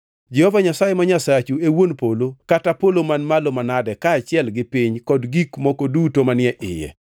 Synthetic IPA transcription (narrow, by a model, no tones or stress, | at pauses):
d͡ʒɛhɔvaɲasajemaɲasat͡ʃuewonpolokatapolomanmalomanadɛkaːt͡ʃɪɛlɡɪpiɲkɔdɡikmɔkodutomanɪɛʔɪjɛ̰